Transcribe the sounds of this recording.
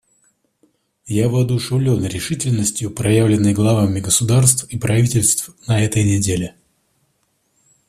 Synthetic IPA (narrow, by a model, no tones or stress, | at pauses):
javɨɐd̪ʊʂɨvlʲonɾʲɪʂɨtʲɪlʲnəsʲtʲjʊpɾɐjavlʲɪnːəjɡlˠɐvamʲɪɡəsʊd̪arst̪fipɾɐvʲitʲɪlʲst̪fnɐɛt̪əjnʲɪdʲelʲɪ